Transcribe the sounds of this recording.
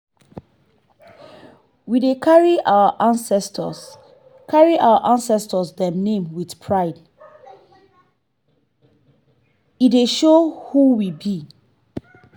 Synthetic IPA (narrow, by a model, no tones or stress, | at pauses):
widekʰaɹiʔawəʔãnsɛstə̰s | kʰaɹiʔawəʔãnsɛstəsdɛ̃nẽmwiθpʰɹaɪd | ideʃohuwibi